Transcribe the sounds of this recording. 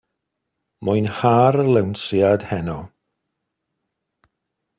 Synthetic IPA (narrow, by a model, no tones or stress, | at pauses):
mʊjnhaɾəlˠɛwnsjad̥hɛnɔ